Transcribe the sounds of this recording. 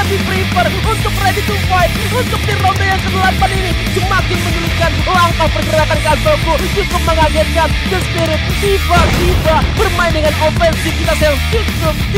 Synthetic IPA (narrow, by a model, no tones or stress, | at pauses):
adipɾipər | unt̪ʊk̚radit̪upaɪt̪̚ | unt̪ʊk̚d̪iɾondojaŋt̪ənlamp̪anini | səmakɪŋməɲulikan | laŋkaŋpərɡəɾakankat̪otusukap̚məŋaɡat̪̚kankəspiɾɪt̪̚t̪ibaʔt̪ibaʔbərmaɪndəŋanofɛnsikit̪asəjaŋt͡ʃud͡ʒʊk̚